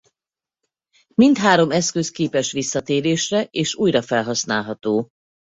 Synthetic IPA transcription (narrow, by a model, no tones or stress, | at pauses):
mint̪ɦaːɾo̞mɛskøskeːpɛʃʋisːɒt̪eːɾeːʃrɛʔeːʃuːjrɒfɛlɦɒsnaːlɦɒt̪oː